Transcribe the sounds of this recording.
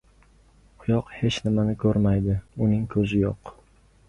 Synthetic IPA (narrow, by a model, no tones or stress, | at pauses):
qʰʊjɒqhe̞t͡ʃnɪmanɪkʰɵɾmajd̪ɪʊnɪŋkʰɵzɪjoq